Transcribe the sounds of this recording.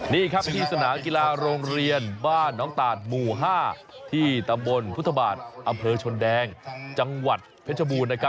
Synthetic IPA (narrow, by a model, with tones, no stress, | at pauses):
niː˥˩kʰɾa˦˥p̚t̪ʰiː˧sa˧naː˩˦ki˧laː˧ɾoː˧ŋɾi˧ənbaː˥˩nːɔː˦˥ŋt̪aː˨˩t̪̚muː˧˩ɦaː˥˩ | t̪ʰiː˥˩t̪a˧mbo˧npʰu˦˥t̪ʰːa˧ba̰ː˨˩t̪̚ʔa˧mpʰɤː˧t͡ɕʰo˧ndɛː˧ŋt͡ɕa˧ŋwa˨˩t̪̚pʰe˦˥t̪̚ʰa˧buː˧nːa˥kʰa˦˥